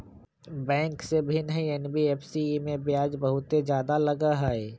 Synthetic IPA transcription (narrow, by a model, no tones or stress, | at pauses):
bɛ̃ːŋksebʱɪnɦɛ̃ɛnbiɛːpsimẽbɪjaːd͡ʒbɐɦʊt̪ed͡ʒjaːd̪alɐɡaɦɛɛ